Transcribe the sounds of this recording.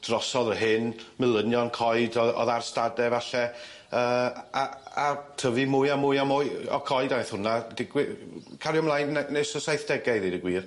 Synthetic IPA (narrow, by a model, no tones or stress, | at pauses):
d̥rɔsɔðəɦɪnmɪlˠənjɔnkʰɔɨdɔɔ̰ðarstadɛvaɬɛ | əːaatʰəvimʊjamʊɨamʊjɔ̰kʰɔɨdanjθhʊnad̥ɪɡwɪkʰaɾjɔmlˠajnnesəsajθd̥ɛɡajɾidəɡwiːr